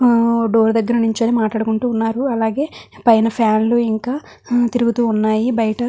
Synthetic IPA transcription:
ɖo̞ːɾud̪ɐɡːɐɾɐnuɲt͡ʃɐːnimaːʈɭaːɽukuɳʈuːnːaːɾuɐlaːɡe̞ːpɐjnɐpʰjaːnluiŋkaː | t̪iɾuɡut̪uːunːaːjibɐjɐʈɐ

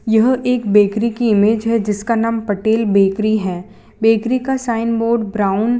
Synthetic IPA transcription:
jɐɦeːkbeːkɾikiɪmeːd͡ʒɦɛd͡ʒɪskanaːmpɐʈeːlbeːkɾiɦɛː | beːkɾikasaːɪnboːɾɖbɾaːʊn

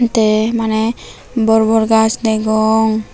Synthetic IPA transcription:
nt̪ɛmanɛ | bɔɾbɔɾɡasd̪ɛɡɔŋ

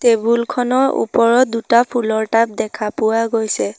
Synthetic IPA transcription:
tebulkʰɔnɔɹṵpɔɹɔdutapʰulɔɹtap̚dɛkʰapʊwaɡojsɛ

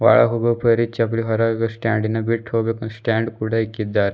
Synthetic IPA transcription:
ʋa̰ɭa̰ɦoɡəpəɾit͡ɕapliɦɐɾaɡsʈaɳɖinːabiʈʰobeksʈæɳɖkuɽaikːid̪aɾ

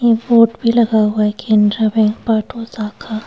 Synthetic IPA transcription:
jeboːʈbʱilɐɡaɦʊaɦɛkẽːnd̪ɾamẽpaːʈʰosaːkʰaː

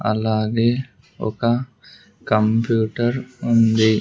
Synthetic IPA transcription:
ɐ̰laːɡe | o̰ka | kəmpjuːʈəɾʊnd̪eː

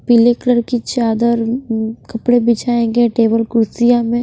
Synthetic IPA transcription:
pilekləɾkit͡ʃaːd̪əɾkɐpɽebɪt͡ʃaːẽːŋɡeʈeːbəlkʊɾsijamẽ

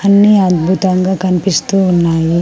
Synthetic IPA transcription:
hɐnːiɐd̪bʱut̪ɐŋɡɐkɐnipist̪uunːaːji

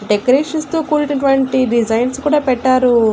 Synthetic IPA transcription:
ɖekɐɾeːʂɐnst̪uːkuːɾinɐʈ̬uʋɐɳʈiɖid͡ʒɐjnskuːɽaːpɛʈːaːɾu

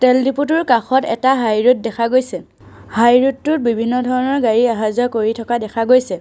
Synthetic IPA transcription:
tɛldiput̬uɹkaxɔtɛ̰taɦajɹut̚dɛkʰaɡojsɛ | hajɹutːʊt̚bibʱinːɔdʱɔɹɔnɔɹɡaɹiaɦazɔkoɹitʰɔkadɛkʰaɡojsɛ

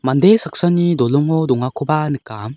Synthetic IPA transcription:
mand̪esak̚sanid̪ɔlɔŋɔd̪ɔŋakʰɔbanɯkːam

